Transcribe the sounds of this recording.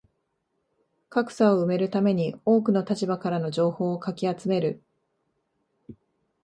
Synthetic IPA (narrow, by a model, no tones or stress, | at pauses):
kakɯ̟̥saoɯ̟me̞ɾɯ̟t̪ame̞ɲ̟io̞ːkɯ̟no̞t̪at͡ɕibakaɾano̞ʑo̞ːho̞ːkakʲiat͡sɨme̞ɾɯ̟